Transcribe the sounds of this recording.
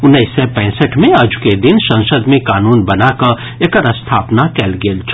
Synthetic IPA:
ʊnːəɪsɛpɛ̃ːsəʈʰmẽɐd͡ʒuked̪ɪnsɐ̃nsəd̪mẽkaːnuːnbɐnakə | ekəɾəst̪ʰaːpnakɛːlɡeːlt͡ʃʰ

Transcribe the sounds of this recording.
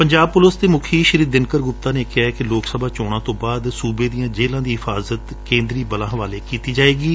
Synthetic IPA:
pəɲd͡ʒaːb̚pʊləst̪eːmʊkʰiːʃəɾiːd̪ɪnkəɾɡʊp̚t̪aːnẽːkɪɛkɪloːksəbaːt͡ʃɔːɽ̃ãːt̪õːbaːd̪suːbeːd̪ijãːd͡ʒeːlãːd̪iːɦɪfʰaːzət̪ | kẽːnd̪ɾiːbəlãːɦəʋaːleːkiːt̪iːd͡ʒaːeːɡiː

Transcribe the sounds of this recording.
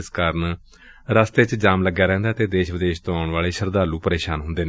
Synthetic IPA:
skəɾən | ɾaːst̪eːt͡ʃd͡ʒaːmləɡjaːɾɛ̃ːnd̪aːt̪eːd̪eːʃʋɪd̪eːʃt̪õːaːʊɳʋaːleːʃəɾd̪aːlũːpəɾeːʃaːnɦʊnd̪eːnː

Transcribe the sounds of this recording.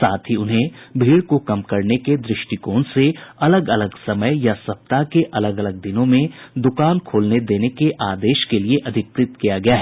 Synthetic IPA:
saːt̪ʰɦiʊnɦẽbʱiːɽkokɐmkɐɾneked̪ɾɪʃʈikoːnseɐləɡɐləɡsɐməjjasɐp̚t̪akeʔɐləɡɐləɡ̚d̪ɪnõmẽd̪ʊkaːnkʰoːlned̪eːnekeʔaːd̪eːʃkelieʔɐd̪ʱɪkɾɪt̪kijaɡɐjaɦɛː

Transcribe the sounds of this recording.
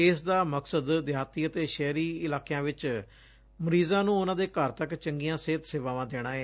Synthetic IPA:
ɪsd̪aːməksəd̪d̪jaːt̪iːət̪eːʃɛːɾiːɪlaːkjãːʋɪt͡ʃ | məɾiːzãːnũːʊnãːd̪eːkəɾt̪əkt͡ʃəŋɡijãːseːt̪seːʋaːʋãːd̪eːɽ̃aːɛː

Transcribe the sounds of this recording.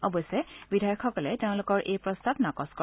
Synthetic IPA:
ɔbɔjsɛbidʱajɔkxːɔkɔlɛteʊ̃lʊkɔɹʔejpɹɔstabnakɔskɔ

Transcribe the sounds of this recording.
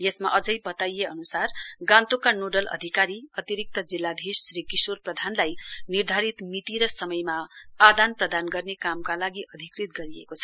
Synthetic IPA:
jesma̰ʔʌd͡zʌjbʌt̪ajeʌnusarɡãnt̪okanoɖʌlʌ̰d̪ʱikaɾiʌt̪iɾik̚t̪ʌd͡zilːad̪ʱisːɾikisorprʌd̪ʱanlajnird̪ʱaɾit̪mit̪iɾʌsʌmʌjmaːd̪anprʌd̪anɡʌrnekamkalaɡiʔʌd̪ʱikrit̪̚ɡʌɾiekot͡sʰʌ̥

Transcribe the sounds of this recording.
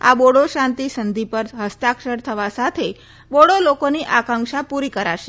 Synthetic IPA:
a̰boɽoʃãnt̪isənd̪ʱipəɾɦəst̪akʂəɾt̪ʰəʋasat̪ʰe | boɽolokoniʔakãŋkʂapuɾikəɾa̰ʃe̥

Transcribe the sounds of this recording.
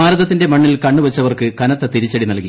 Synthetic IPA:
aːɾɐðɐt̪ːinde̞mɐɳːilkɐɳːuʋɐt͡ɕːɐʋɐrkɨkɐnɐt̪ːɐt̪iɾit͡ɕːɐɽinɐlki

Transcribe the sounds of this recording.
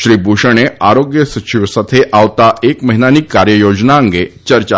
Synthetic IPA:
ɕɾiːbʱuʂəɳ̃eaɾoɡjəsət͡ɕiwsət̪ʰeʔaʋt̪aekməɦinaniːkːaɾjəjod͡ʑnaəŋɡet͡ɕəɾt͡ɕa

